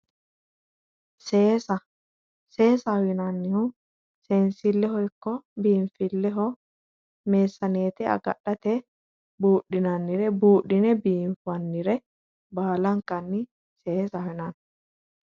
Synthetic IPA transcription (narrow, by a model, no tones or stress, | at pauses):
seːsɐ | seːsɐhɔjɪnɐnːɪhʊ | seːnsɪlːɛhɔjkːɔbiːmfɪlːɛɦɔ | meːsːɐneːt̪ɪɐ̰ɡɐ̰ɗːɐt̪ɛ | buːɗɪnɐnːɪɾɛbuːɗɪnɛbiːɱfʊɐnːɪɾɛ | baːlɐŋkɐnːɪ | seːsɐɪnɐn